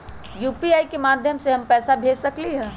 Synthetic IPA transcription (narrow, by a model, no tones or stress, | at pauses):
juːpiaːikemaːd̪ʱjəmseɦɐmpɛːsabʱeːd͡ʒsɐkliɦɛ̃ː